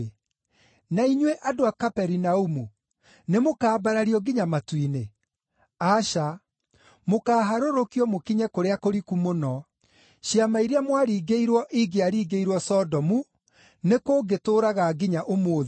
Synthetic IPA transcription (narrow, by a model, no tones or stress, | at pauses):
naiɲweʔadoakapɛɾinaumu | nemokaːbaɾaɾiɔɡiɲamatwine | aʃa | mokaːɦaɾoɾokijɔmokiɲɛkoɾeakoɾikumonɔ | ɕiamaiɾeamwaɾiːɡeiɾwɔʔiɡeaɾiːɡeiɾwɔsɔdɔmu | nekoːɡetoːɾaɣaɡiɲaʔomoːðe